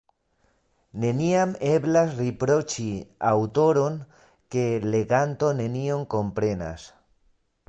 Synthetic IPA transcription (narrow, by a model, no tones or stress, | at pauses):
ne̞niame̞blasripɾo̞t͡ʃiawt̪o̞ɾo̞n | ke̞le̞ɡant̪o̞ne̞nioŋko̞mpɾe̞na̰s